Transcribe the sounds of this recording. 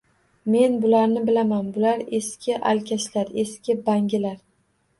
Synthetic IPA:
me̞nbʊlaɾnɪbɪlamanbʊlaɾeskʲʰɪʔa̰lkʲʰaʃlaɾe̞skʲɪbaŋɡʲɪlaɾ

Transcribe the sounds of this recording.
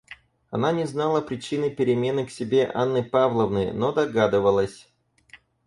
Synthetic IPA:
ɐnanʲɪznalˠəpɾʲɪt͡ɕinɨjpʲɪɾʲɪmʲe̞nɨksʲɪbʲe̞ʔa̰nːɨpavlˠəvnɨjnod̪ɐɡad̪ɨvəlˠəsʲ

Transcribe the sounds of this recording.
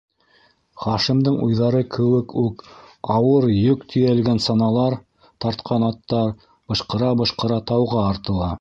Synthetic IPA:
χɑʃimd̪ɤɴujðɑɾɤkʰɘ̆wɘkʉkɑwɤɾjɵkt̪ʰɵ̆jælɡænsɑnɑlˠɑɾ | t̪ɑɾt̪qʰɑnɑt̪ːɑɾ | b̥ɤ̆ʃqɤ̆ɾɑbɤ̆ʃqɤ̆ɾɑt̪ɑwʁɑːɾt̪ɤ̆lˠɑ

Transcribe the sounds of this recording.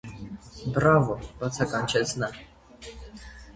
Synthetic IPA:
bɾavɔpat̪sʰakanʲt͡ɕɛsna

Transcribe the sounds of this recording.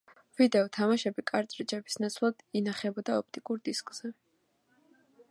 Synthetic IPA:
vid̪ɛɔt̪ʰamaʃɛbikʼaɾt̪ʼɾit͡ʃʼɛbisnat̪sʰlˠad̪̥inaχɛbɔd̪aɔp̚ʰt̪ʼikʼuɾd̪iskʼz̥ɛ

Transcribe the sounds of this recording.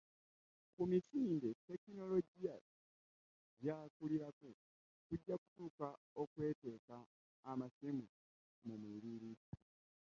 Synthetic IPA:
kumisiːnde̞te̞kino̞lo̞ɟija | ɟaːkuliɾaku | kuɟːaku̥tuːka | okwe̞ːte̞ːkaː | masimu | mumwiɾiɾii

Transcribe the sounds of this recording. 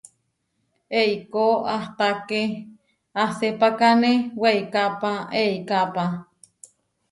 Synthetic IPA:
eikoaht̪ake | asepakaneweikapaeikapa

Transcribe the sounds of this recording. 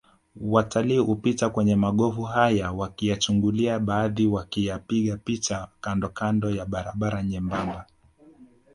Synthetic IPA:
watʰaliːhupitakwɛɲɛmaɠɔvuɦajawakijat͡ʃuŋɡuliaɓaːðiwakijapiɠapit͡ʃakandɔkandɔjaɓaɾaɓaɾaɲɛmbamba

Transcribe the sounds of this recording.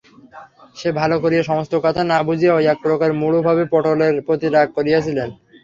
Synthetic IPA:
ʃebʱalokoɾijeʃɔmost̪okɔt̪ʰanabud͡ʑʱieoɛk̚pɾokaɾmuɭobʱabepɔʈoleɾpɾot̪iɾaɡ̚koɾijet͡ɕʰilen

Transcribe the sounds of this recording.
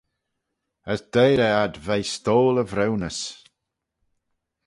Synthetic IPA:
əsd̪̥ejɾɛad̪vejst̪oːləvɾɛwnəs

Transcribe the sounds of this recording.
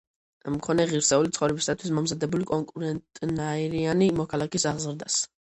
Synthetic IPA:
mkʰɔnɛʁiɾsɛulit̪sʰχɔvɾɛbisat̪ʰwismɔmzad̪ɛbulikʼɔŋkʼuɾɛnt̪ʼnaiɾianimɔkʰalˠakisaʁzɾd̪as

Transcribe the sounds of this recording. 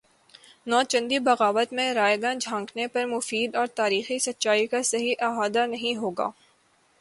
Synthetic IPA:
nɔːt͡ʃɐ̃nd̪ibɐɣaːʋət̪mẽɾaːjɡãnd͡ʒʱãːŋknepɐɾmʊfiːd̪ɔːɾt̪aːɾiːxisɐt̪ːʃaːikasɐɦiʔaːɦaːd̪anɐɦĩɦoːɡa̰ː

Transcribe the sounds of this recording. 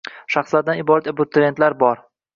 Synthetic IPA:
ʃaχslaɾd̪anɪbɒɾat̪ebʊt̪ʰːɪɾent̪laɾbɒɾ

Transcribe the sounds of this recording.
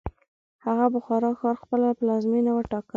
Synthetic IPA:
haɣabʊxɑɾɑxɑɾxpəlapəlɑzminawəʈɑkə

